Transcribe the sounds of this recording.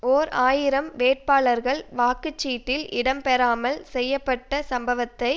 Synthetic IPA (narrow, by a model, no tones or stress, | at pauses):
oːɾaːjɪɾɐmʋeːʈ̚paːɭɐɾɣɐɭʋaːkɯt͡ʃːiːʈːɪlɪɽɐmpɛɾaːmɐlsɛjːɐpːɐʈːɐsɐmbɐʋɐt̪ːɐɪ